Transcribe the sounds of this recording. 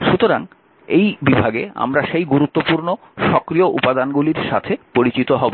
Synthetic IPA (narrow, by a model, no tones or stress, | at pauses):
ʃut̪oɾaŋ | ejbibʱaɡea̰mɾaʃejɡuɾut̪ːopuɾno | ʃɔkɾioʔṵpad̪anɡuliɾʃat̪ʰepoɾit͡ɕit̪oɦɔbo